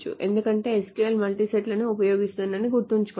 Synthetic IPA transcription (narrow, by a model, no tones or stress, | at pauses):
t͡ʃṵʔe̞̰nd̪ukɐɳʈe̞ːskeːlmɐlʈiseʈlɐnuupɐjoːɡist̪und̪ɐniɡuɾt̪uɲt͡ʃu̥kː